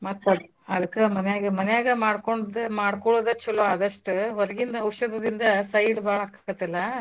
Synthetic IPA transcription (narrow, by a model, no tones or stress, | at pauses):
mɐt̪ː | ɐd̪ɐkːemɐnɛjaːɡɐmɐnɛjaːɡɐmaːɽkoɳɖd̪emaːɽkoɭoːd̪ɐt͡ʃːɐloːɐd̪ɐʂʈuʋɐɾɐɡind̪ɐɐwʃɐd̪ɐd̪ind̪ɐsɐjɖbaːɭɐkːḁːɡɐt̪ːɐlːɐ